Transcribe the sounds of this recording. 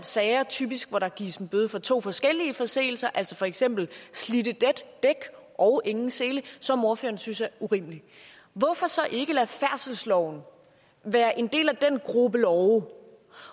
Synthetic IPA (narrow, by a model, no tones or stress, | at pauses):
dsɛːɪɐt͡sʰy̰ːb̥isɡ̥ʋɒɾɑ̈ɡ̥iɐsn̩b̥øːðˠfɒ̽t͡sʰo̝̰ːfɒ̽sɡ̥el̰iəfɒ̽se̝̰ːl̩sɐʔæl̰sɒfɒ̽eɡ̥sem̰b̥l̩slidəd̥ed̥ːeɡ̥ʔɒ̽ʊʔe̝ŋn̩seːləsɒ̽mo̝ɐfø̰ːɐnsynsjɑuʁḭmli | ʋɒ̽fɒ̽sɒ̽ʔe̝ɡ̥əlæfæɐ̰səl̩slɒʊ̰n̩ | ʋæːɐʔe̝nd̥e̝̰ːlæd̥enɡ̥ʁubəlɒʊ